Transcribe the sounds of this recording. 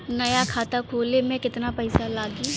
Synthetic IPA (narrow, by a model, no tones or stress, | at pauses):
nɐjakʰaːt̪akʰoːlemẽkɪt̪napɐɪsalaːɡiː